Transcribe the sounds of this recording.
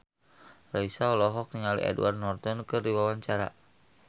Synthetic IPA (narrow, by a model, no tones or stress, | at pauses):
raisalɔɦɔk̚niŋalḭʔɛ̰dṵwart̪̚nɔrt̪ɔnkɨrdiwawaɲt͡ʃaɾa̰